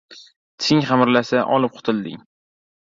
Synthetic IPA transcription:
t̪ʰɪŋχamɾlasaʔɒlɪp̚qʰʊ̥t̪ʰɪld̪ɪ̰ŋ

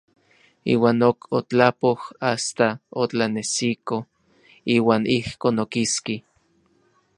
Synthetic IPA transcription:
ḭːwaːnokot͡ɬapohast̪aot͡ɬanesiko | iːwaːnihkoːnokiski

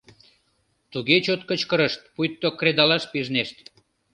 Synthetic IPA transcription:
t̪uɣet͡ɕot̪̚kət͡ɕkəɾəʃt̪̚pujt̪ːokɾed̪ɑlɑʃpiʒneʃt̪

